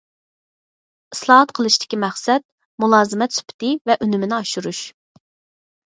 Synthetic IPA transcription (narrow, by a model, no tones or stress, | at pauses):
islˠɑɦɑt̪qʰəlˠɨʃt̪ʰɪ̥kʲimæχsɛt̪̚ | mulˠɑːzɨmɛt̪sy̥pʰɪ̥t̪ɪvɛʔynymɪnɪɑʃuɾuʃ